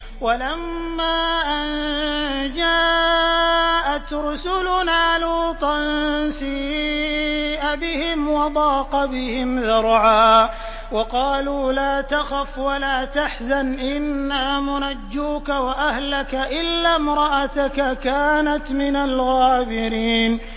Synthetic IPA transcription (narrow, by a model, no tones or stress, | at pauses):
walamːaːʔan | d͡ʒaː | ʔat̪ɾsʊlʊnaːlaːt̪ˤɑnsiː | ʔabɪhɪmwɑd̪ˤɑːqɑbɪhɪmðɑɾˤʕaː | wɑqɑːluːlaːt̪axafwalaːt̪aħzanʔɪnːaːmʊnad͡ʒːuːkawaʔahlakaʔɪlːaːmɾˤɑʔat̪akakaːnat̪mɪnalɣaːbɪɾiːn